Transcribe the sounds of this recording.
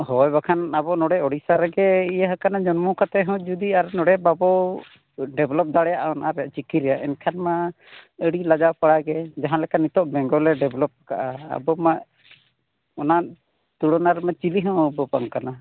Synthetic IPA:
ɦɔjbakʰanabɔnɔɽɛɔɽisaɾɛɡɛijaɦakanad͡ʒɔnmukat̪ɛɦɔ̃d͡ʒud̪iaɾnɔɽɛbabɔ | ɖɛblɔp̚d̪aɽɛjaʔaɔnaɾɛjaʔt͡ʃikiɾɛjaʔɛnkʰanma | əɽilad͡ʒapaɽaɡɛd͡ʒaɦãlɛkanit̪ɔʔbɛŋɡɔlɛɖɛblɔp̚aka̰ʔaa̰bɔmaʔ | ɔnaʔ | t̪uɽɔnaɾmat͡ʃiliɦɔ̃bɔbaŋkana

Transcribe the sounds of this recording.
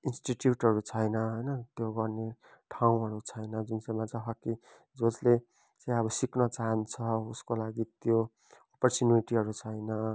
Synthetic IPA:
insʈiʈjuʈɦʌɾut͡sʰʌjnʌɦʌjnʌt̪joɡʌrne | ʈʰaw̃ɦʌɾut͡sʰʌjnʌd͡zunsemat͡sãɦʌkːi | d͡zod͡zle | t͡saj̃ʌβʌsiknʌt͡saɦʌnt͡sʰʌuskolaɡit̪jo | opʌrt͡suniʈiɦʌɾut͡sʰʌjnʌ

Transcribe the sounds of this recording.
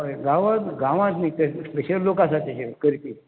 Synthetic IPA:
ɡãʋãt̪ɡãʋãt̪nit̪əspeɕəlːokãsat̪iɕekəɾit̪i

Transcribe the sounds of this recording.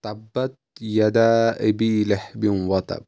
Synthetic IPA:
t̪ˤɑbːat̪̚ | jad̪aːʔɪbiːlɪħbɪnwɑt̪ˤɑ̰b

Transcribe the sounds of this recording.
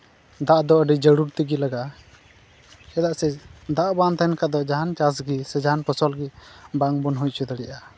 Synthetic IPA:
d̪aʔd̪ɔəɖid͡ʒəɽuɾt̪iɡilaɡaʔ | ɛd̪aʔsɛd̪aʔbant̪ankad̪ɔd͡ʒaɦant͡ʃasɡisɛd͡ʒaɦanpəsɔlɡibaŋbɔnɦujct͡ʃʰud̪aɽɛʔa

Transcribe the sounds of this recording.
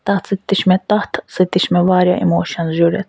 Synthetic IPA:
t̪aht̪t͡sit̪ːiʃmɛt̪aht̪sit̪iʃmɛvaːɾjaʔḭmɔːʃanʒuɾɛ̰t̪

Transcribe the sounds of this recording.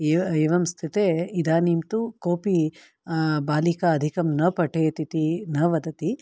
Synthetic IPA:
eːeːʋɐmst̪ʰit̪eːid̪aːnimt̪ukoːpi | baːlikaːd̪ʱikɐmnɐpɐʈʰeːt̪it̪inɐʋɐd̪ɐt̪i

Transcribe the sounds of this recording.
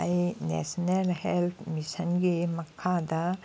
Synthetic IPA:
ɐjnḛːsɐnelhelt̪ʰmisɐnɡemɐkʰːaːd̪ɐ

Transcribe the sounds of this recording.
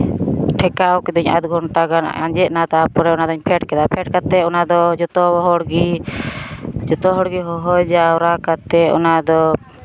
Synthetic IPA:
ʈʰɛkaɔkid̪ɔɲa̰d̪ɡʱɔɳʈaɡana̰ɲd͡ʒɛʔnat̪apɔɾɛɔnad̪ɔɲpʰɛʈkɛd̪apʰɛʈ̚kat̪ɛɔnad̪ɔd͡ʒɔt̪ɔɦɔɽɡi | d͡ʒɔt̪ɔɦɔɽɡiɦɔɦɔjd͡ʒaɔɾakat̪ɛɔ̰nad̪ɔ

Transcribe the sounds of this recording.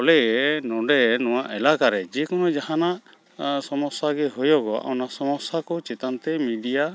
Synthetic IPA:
ɔlɛɛnɔɖɛnɔwaʔɛlakaɾɛd͡ʒɛkɔnɔd͡ʒaɦanaʔ | sɔmɔsaɡɛɦujɔɡɔa̰wnasɔmɔsakɔt͡ʃɛt̪ant̪ɛmiɖija

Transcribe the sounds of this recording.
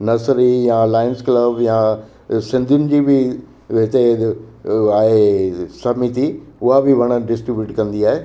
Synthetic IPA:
nɐsɾijãːlaːɪnsklɐbjã | sɪ̃nd̪ʱjʊnɪ̆d͡ʑiːbɪ | ɪt̪e | aːɦesɐmit̪iʊɦabɪʋɐɽ̃əɖɪsʈɾibjuːʈkɐ̃nd̪iaːɦe

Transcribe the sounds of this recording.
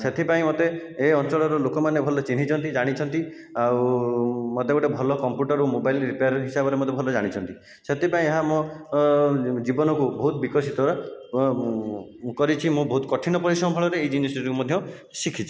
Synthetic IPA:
set̪ʰipaĩmot̪eːɔnt͡ʃɔɭɔɾɔlokɔmanebʱɔlɔt͡ʃinɦit͡ʃʰɔnt̪id͡ʒaɽ̃it͡ʃʰɔnt̪i | aw | mot̪ebɔʈebʱɔlɔkɔmpjuʈɔɾumobajilɾipejaɾɦisabɔɾemɔt̪ʰːebʱɔlɔed͡ʒaɽ̃it͡ʃʰɔnt̪i | set̪ʰipaĩeɦamɔ̃ | d͡ʒibɔnɔkubɔɦut̪bikɔsit̪ɔɾɔ | kɔɾit͡ʃʰimũbɔɦut̪kɔʈʰinɔpɔɾisɔbʱɔɭɔɾeːjd͡ʒinesiɾikumɔd̪ʱjɔ | sikʰit͡ʃʰi

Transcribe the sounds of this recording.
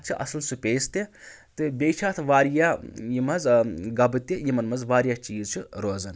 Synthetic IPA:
t͡ʃʰiʔɐ̰sɐlsupʲeːst̪e | t̪ɨbʲeːt͡ʃʰaːt̪ʰʋaːɾjaːjimɐzɡɐbɨt̪ʲːijimɐnmɐzʋaːɾjaːt͡ʃiːzt͡ʃʰuɾoːzɐn

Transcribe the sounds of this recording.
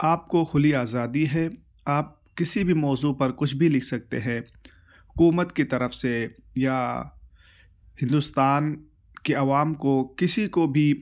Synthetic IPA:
aːp̚koxʊliaːzaːd̪iɦɛː | aːp̚ | kɪsibʱimɔːzupɐɾkʊt͡ʃʰbʱilɪkʰsɐk̚t̪ḛɦɛ̃ː | ɦʊkuːmət̪kit̪ɐɾəfseja | hɪ̃nd̪ʊst̪aːn | keɐʋaːmkokɪsikobʱi

